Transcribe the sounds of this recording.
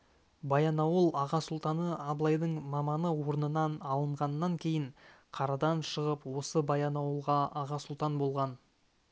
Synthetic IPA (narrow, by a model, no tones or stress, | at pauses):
bɑjɑnɑwəlˠɑʁɑsʊlˠt̪ɑnəɑblˠɑjd̪əɴmɑmɑnəwo̞ɾnənɑnɑlˠəɴʁɑnːɑŋkʲʰe̞jɪɴ | qʰɑɾɑd̪ɑnʃəʁəpwo̞səbɑjɑnɑwəlˠʁɑɑʁɑsʊlˠt̪ɑnbo̞lˠʁɑn